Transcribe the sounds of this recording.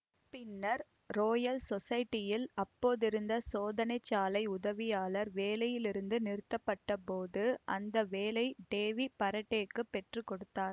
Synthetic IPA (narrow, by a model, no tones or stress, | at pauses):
pɪnːɐɾ | ɾoːjɐlsɔsɐjɪʈːɪjɪlɐpːoːðɪɾɯnd̪ɐsoːðɐnɐɪt͡ʃːaːlɐɪʊðɐʋɪjaːlɐɾʋeːlɐjɪlɪɾɯnd̪ɯnɪɾɯt̪ːɐpːɐʈːɐpoːðɯʔɐ̰nd̪ɐʋeːlɐɪɖeːʋipɐɾɐʈːeːkːɯpːɛʈrɯkɔɽɯt̪ːaːɾ